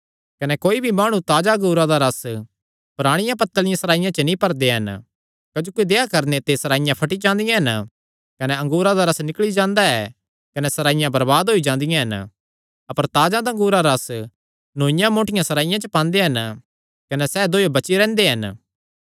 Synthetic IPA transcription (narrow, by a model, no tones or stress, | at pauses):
kɐnɛkoːibʱimaːɽ̃ũt̪aːd͡ʒaɐ̃ŋɡuːɾad̪aɾɐs | pɾaːɽ̃ɪjãpɐt̪ːəlɪjãsɐɾaːɪjãt͡ʃənĩpɐɾd̪eɦɐn | kɐd͡ʒoːkid̪eːakɐɾnet̪esɐɾaːɪjãpʰɐʈid͡ʒãːnd̪ɪjãɦɐn | kɐnɛɐ̃ŋɡuːɾad̪aɾɐsnɪkɭid͡ʒãːnd̪aɛ | kɐnɛsɐɾaːɪjãbɐɾbaːd̪ɦoːid͡ʒãːnd̪ɪjãɦɐn | ɐpəɾt̪aːd͡ʒãd̪aɐ̃ŋ̆ɡuːɾaɾɐs | nõːɪjãmoːʈɪjãsɐɾaːɪjãt͡ʃəpãːnd̪eɦɐn | kɐnɛsɛːd̪oːjobɐt͡ʃiɾɛ̃ːnd̪eɦɐn